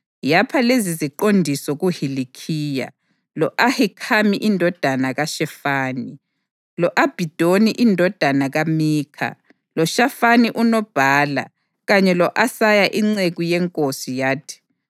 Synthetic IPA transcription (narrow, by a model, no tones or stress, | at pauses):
japʰaleziziǃondʱisɔɣuhilikʰiːja̰ | lɔʔahikʰamiʔindʱɔd̥ʱanaɣaʃɛfaːni | lɔʔab̥ʱid̥ʱoniʔindʱɔd̥ʱanaɣamiːkʰa̰ | lɔʃafaniʔunɔb̥ʱaːla̰ | ɣaɲɛlɔʔasajaʔiŋ͡ǀeɣujɛŋkʼosijaːtʰi̥